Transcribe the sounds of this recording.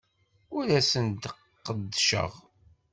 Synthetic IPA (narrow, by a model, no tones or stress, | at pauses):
ʊɾæsənd̪ | qːəd̪ːʃə̰ʁ